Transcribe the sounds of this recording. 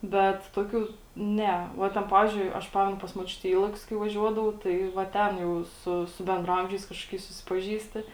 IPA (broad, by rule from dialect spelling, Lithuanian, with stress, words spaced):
ˈbʲɛt ˈtoːˌkʲuː ˈnʲɛ ˈʋɐ tʲɛn ˈpɑːʋʲɪzʲd͡ʒʲʊɪ ˈɐʃ ˈpɑːmʲɛnʊ pɐs moːˈt͡ʃʲʊtʲɛ ɪ ˈiːlˠɐkʲʊs kɐɪ ʋɐˈʒʲuɔdɐʋɐʊ ˈtɐɪ ʋɐ ˈtʲɛn jɛʊ ˈsʊ sʊ bʲɛndrɐˈɐmʲʒʲɛɪs ˈkɑːʃkoːˌkʲɛɪs sʊsʲɪpɐˈʒʲiːsʲtʲɪ